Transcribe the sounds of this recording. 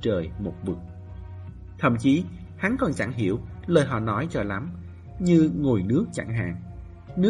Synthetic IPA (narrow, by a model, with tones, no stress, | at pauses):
t͡ɕəː˨˩jmo˨˩t̚vɨ˨˩k̚ | t̪ʰə̰˧˩mt͡ɕi˨˦ | ha˨˦nkɔ˨˩nt͡ɕa˧˩ŋɦi˧˩əwləː˨˩jɦɔ̰˧˨˩nɔ˨˦jt͡ɕɔ˧˩la˨˦m | ɲɨ˧ŋo˨˩jnɨ˦˥ək̚t͡ɕa̰˧˩ŋɦa̰ː˧˨ŋ | nɨ˦˥